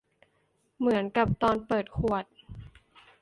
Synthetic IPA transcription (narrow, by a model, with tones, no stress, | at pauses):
mɯ˩˦ənka˨˩p̚t̪ɔː˧npɤː˨˩t̪̚kʰu˨˩ət̪̚